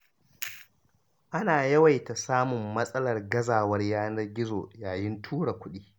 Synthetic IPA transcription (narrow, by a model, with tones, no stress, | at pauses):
ʔa˦naː˨jɐ˦wa˨jta˨saː˦mʊ˨mːɐ˦sʼɐ˦lɐ˨rɡɐ˦zaː˨wɐ˦rjaː˦nɐ˦rɡʲɪ˦zoː˨jaː˨jɪ˦ntʰuː˦ɽa˨kʷʊ˦ɗiː˦